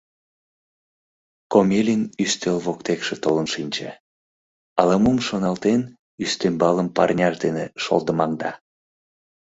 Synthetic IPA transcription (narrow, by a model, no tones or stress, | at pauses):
komʲelʲinyst̪elβokt̪ekʃet̪olənʃinʲt͡ɕe | ɑlɑmumʃonɑlt̪en | yst̪embɑləmpɑrnʲɑʃd̪eneʃo̰lˠd̪əmɑŋd̪ɑ